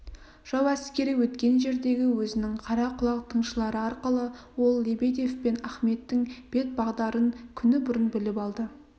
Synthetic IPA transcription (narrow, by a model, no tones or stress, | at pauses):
ʒ̥ɑwæskʲe̞ɾɪwɵt̪kʲe̞nʒe̞ɾd̪e̞ɡʲɪwɵzɪnɪŋqʰɑɾɑqʰʊlˠɑqt̪ʰəɴʃəlˠɑɾəɑɾqəlˠəwo̞lˠːebed̪efpe̞næχme̞t̪ːɪŋb̥e̞t̪̚bɑʁd̪ɑɾəŋkʲʰʏnɪbʊɾənbɪlɪpɑlˠd̪ə